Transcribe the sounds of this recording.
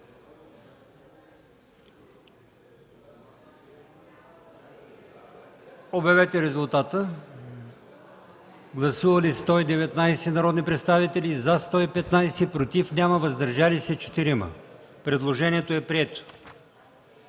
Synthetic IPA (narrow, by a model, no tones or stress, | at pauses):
obɐvɛt̪ɛɾɛzʊlˠt̪at̪ə | ɡlˠɐsuvɐlist̪ɔid̪ɛvɛt̪najsɛnɐɾɔd̪nipɾɛt̪st̪avit̪ɛlizast̪ɔipɛt̪najsɛpɾot̪ifnʲaməvɐzd̪ɐɾʒalisɛt͡ʃɛ̥t̪iɾimə̰ | pɾɛd̪lˠoʒɛnʲiɛt̪oɛpɾiɛt̪o̥